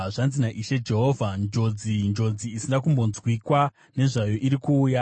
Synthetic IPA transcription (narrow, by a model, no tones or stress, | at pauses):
ʐanzinaʔiʃe̞d͡ʒe̞ɦo̞vʱand͡ʒo̞d͡zind͡ʒo̞d͡ziːsindakumbo̞nzwikwa | ne̞ʐajo̞ʔiɾikuːja